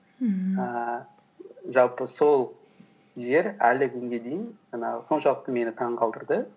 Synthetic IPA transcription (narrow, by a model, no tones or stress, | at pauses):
ə | ʒɑlˠpəso̞lˠ | ʒe̞ɾælɪkʲʰʏŋɡʲe̞d̪e̞jɪnʒɑnɑʁəso̞nʃɑlˠəq̚t̪əme̞nɪt̪ʰɑɴqʰɑlˠd̪əɾd̪ə